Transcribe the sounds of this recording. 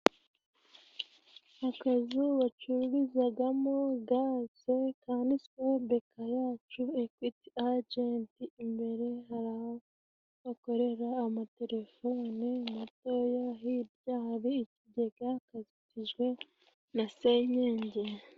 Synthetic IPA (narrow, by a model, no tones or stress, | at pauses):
akazuwat͡ʃuɾuɾizaɡamoɡaːse̞kaːndiskuubekʰajaːt͡ʃuekwitiad͡ʒentiimbe̞ɾe̞ɦaɾaho | βako̞ɾe̞ɾaːmate̞ɾe̞fonimuto̞jaɦibjaːhaβiːciɟe̞ɡ̥akaziciʒɡwe̞ | naseɲeːɲɟe